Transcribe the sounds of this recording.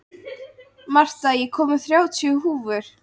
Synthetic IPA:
mar̥t̪ajɛkʰɔːmʏ̥θɾjaːwt̪ʰjʏhuːvʏɾ̥

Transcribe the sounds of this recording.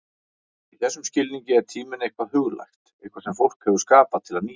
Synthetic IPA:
iθɛsːʏmscɪlniɲcɪɛɾt̪ʰiːmɪnejhkvaðɦʏɣla̰jxt̪ | ehkʰvaɾsɛmfowl̥khɛvʏ̥skaːpaðt̪ʰɪlaðniː

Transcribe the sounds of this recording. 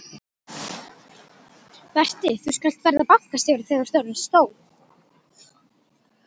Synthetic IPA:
vɛr̥t̪ɪθuskal̥t̪vɛɾðapḁkast̪ɪvɾaθɛɣðast̪œːnanst̪oːw

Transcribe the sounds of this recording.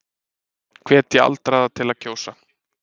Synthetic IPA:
kʰvɛːt̪jɛa̰lt̪ɾaðat̪ʰɪlaðcʰoːwsa

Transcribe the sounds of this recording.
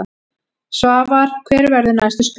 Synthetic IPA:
a | svaːvaɾ̥kʰvɛːɾvɛɾðɪnajst̪ʏst̪

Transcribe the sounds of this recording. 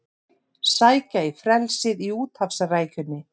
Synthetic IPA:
saːjcaifɾɛlsɪðiuːt̪hafsaraːjcʏnːɪ

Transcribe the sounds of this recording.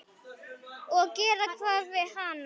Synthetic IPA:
okeɾəkʰʋaʋeɦaːn

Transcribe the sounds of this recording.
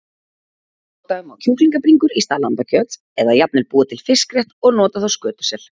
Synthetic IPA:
t̪aʏmawcʰuːkliŋkapɾiŋkʏɾist̪aːlanp̪acʰœt̪ | ɛðajap̚nɪɾpuːat̪ʰɪlfɪskɾjɛht̪ɔɣnɔːt̪aθawskœːt̪ʏ̥sɛl̥

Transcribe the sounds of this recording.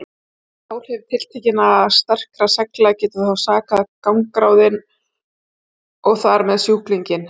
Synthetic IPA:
awɾ̥hɛv̥t̪ʰɪlt̪ʰɛcɪnast̪ɛr̥kɾasɛklacɪt̪ahawsaːkaðkawŋkɾaːwðɪn | ɔɣθaɾmɛðsjuːkliɲcɪn

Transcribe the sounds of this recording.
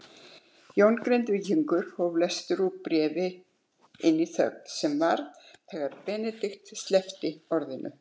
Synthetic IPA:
jownkɾejnt̪vɪciŋkʏɾ̥hɔvlɛst̪ʏɾupɾɛːvɪ | ɪnːiθœ̰ɣsɛmvaɾðθɛːɣaɾpɛːnɛt̪ɪxt̪st̪lɛft̪ɪɔɾðɪnʔʏ̰

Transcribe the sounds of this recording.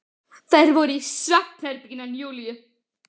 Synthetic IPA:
θajɾvɔɾʏisɾaht̪ʰhɛɾp̪icɪnːanjuːlijʏ

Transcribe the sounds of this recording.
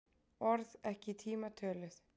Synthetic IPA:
ɔɾðɛhcɪt̪ʰiːmat̪ʰœːlɪθ

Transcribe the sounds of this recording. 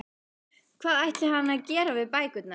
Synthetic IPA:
kʰvaːðajht̪lɪhanːaðcɛːɾavɪðpaːjkʏt̪na

